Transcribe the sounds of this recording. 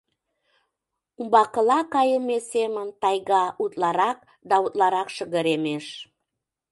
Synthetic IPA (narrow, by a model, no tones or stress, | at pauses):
umbɑqə̆lˠɑkɑjəmesemənt̪ɑjɣɑut̪lɑɾɑq̚ | d̪ɑut̪lˠɑɾɑqʃə̆ɣə̆ɾemeʃ